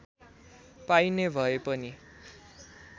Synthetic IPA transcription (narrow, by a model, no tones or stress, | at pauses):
pajnebʱʌepʌni